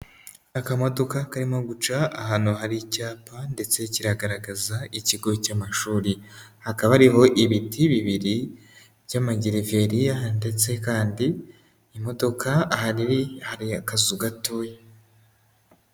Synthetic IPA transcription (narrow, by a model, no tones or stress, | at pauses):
akamo̞do̞kakaɾimo̞ɡut͡ʃaaɦaːnuɦaɾicaːpande̞t͡se̞ciɾaɡaɾaɡazaiciɡo̞camaʃuːɾihakaβaaɾiɦo̞ʔiβitiβiβiɾi | βjamaɟiɾive̞ɾiaande̞t͡se̞kaːndiː | mo̞do̞kahaɾihaɾiakazuɡatuːje